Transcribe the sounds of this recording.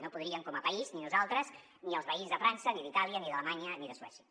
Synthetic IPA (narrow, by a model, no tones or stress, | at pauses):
nopuðɾiəŋkɔməpəizninuzalˠt̪ɾəz | niəlˠspəizðəfɾansəniðit̪aliəniðələmaɲəniðəswɛsiə̥